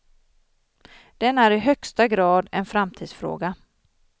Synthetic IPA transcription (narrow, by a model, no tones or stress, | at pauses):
d̪̥ɛnæɾɪɦœkst̪aɡɾɑːd̪ɛnfɾamt̪ʰiːd̪sfɾo̰ːɡa